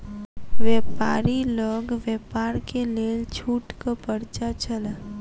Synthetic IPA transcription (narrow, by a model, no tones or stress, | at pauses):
ʋepaːɾiləɡʋjeːpaːɾkeleːlt͡ʃʰuːʈkapəɾt͡ʃat͡ʃəl